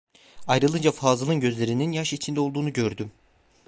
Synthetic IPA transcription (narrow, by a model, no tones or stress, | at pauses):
ajɾɯlˠɯnd͡ʒafaːzɯlˠɯnɟø̞zlʲe̞ɾininjaʃit͡ʃʰind̪ɛo̞lˠd̪uːnuɟø̞ɾd̪ym